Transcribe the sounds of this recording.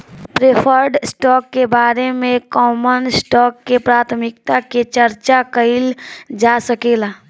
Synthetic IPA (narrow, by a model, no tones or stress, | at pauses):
pɾepʰəɾɖsʈɔːkːebaːɾemẽkɔːmənsʈɔːkːepɾaːt̪ʰmɪk̚t̪aket͡ʃəɾt͡ʃakəɪld͡ʒaːsəkeːlaː